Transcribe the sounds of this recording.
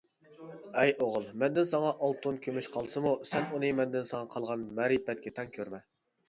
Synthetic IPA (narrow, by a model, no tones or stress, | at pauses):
ɛjoʁʊlˠmɛnd̪ɪnsɑŋɑʔɑlˠt̪ʰunkʲʰømyʃqʰɑlˠsɨmusɛnunɨmɛnd̪ɪnsɑŋɑqʰɑlˠʁɑnmɛɾibɛt̪̚kʲʰɛt̪ʰɛŋkʲʰøɾmɛ